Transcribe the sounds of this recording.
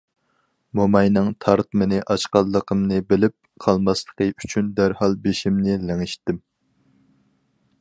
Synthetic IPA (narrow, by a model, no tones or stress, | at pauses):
momɑjnɨŋt̪ʰɑɾt̪mɨnɪʔɑʃqɑlˠːəqʰəmnɨbɪlɪp̚qʰɑlˠmɑslˠə̥qəyt͡ʃʰynd̪æɾhɑlˠbeʃimnɪlæŋɪʃt̪ɪm